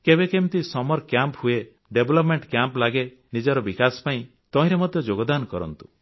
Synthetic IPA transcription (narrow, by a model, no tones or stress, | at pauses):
kebekemt̪isɔmɔɾkjamphue | ɖeblɔpmeɳʈkjamplaɡe | nid͡ʒɔɾɔbikaspaĩ | t̪ɔĩɾemɔd̪ʱjɔd͡ʒoɡɔd̪ankɔɾɔ̰nt̪u̥